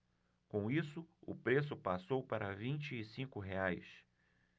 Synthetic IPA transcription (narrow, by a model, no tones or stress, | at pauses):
kõw̃isʊʊ̰pɾes̬ʊpasowpaɾɐvĩnt͡ʃɪːsĩkʊɦeajs